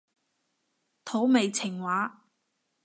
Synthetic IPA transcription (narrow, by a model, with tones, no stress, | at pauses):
t̪ʰo˨˥wme˨jt͡sʰɪ˨˩ŋwaː˨˥